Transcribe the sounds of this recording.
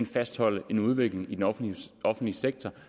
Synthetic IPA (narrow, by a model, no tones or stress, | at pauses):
nfæsd̥hɒ̽l̰əʔe̝nuð̞ˠʋe̝ɡ̥le̝ŋid̥enɒ̽fn̩d̥liseɡ̥̚t͡sʰɒ